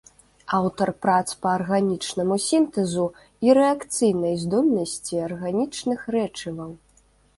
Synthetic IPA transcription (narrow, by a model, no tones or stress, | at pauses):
awt̪ɐrpɾat̪spɐːrɣanʲit͡ʂnɐmusʲint̪ɛzu | iɾɛakt̪sɨjnɐjzd̪ɔlʲnɐsʲt͡sʲiɐrɣanʲit͡ʂnɨxɾɛt͡ʂɨvɐw